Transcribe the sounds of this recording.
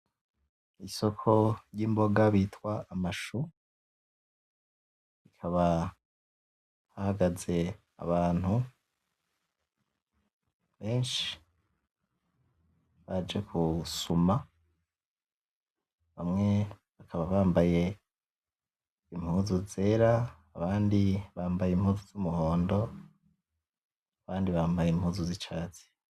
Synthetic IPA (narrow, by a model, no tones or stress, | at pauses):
iso̞kʰo̞ɾjiːmbo̞ɡaβiːtwaʔamaʃu | ikʰaβa | hahaɡaze̞ | a̰βaːn̥hu | βe̞ːnʃi̥ | βad͡ʒekʰusuma | βamŋe̞βakʰaβaβaːmbaje̞ | imhuːzuze̞ːɾaː | βaːndiβaːmbajimhuːzuzumuho̞ːndo̞ | aβaːndiβaːmbajemhuːzuzit͡ʃaːt͡se̥